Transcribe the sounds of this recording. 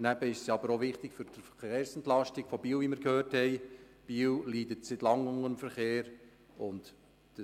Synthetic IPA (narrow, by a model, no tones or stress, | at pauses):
næb̥əɪʃsjɑbəɾoʋɪχt̪ɪkfʏɾd̥əfəχeːɾsɛntlɑʃtɪɡ̥fɔbiːlʋiməɾkhøːrthɛɪ | b̥iːlliːdətsɪtlɑŋʊŋənəmfəɾχeːɾ | ʊnt | d̥ə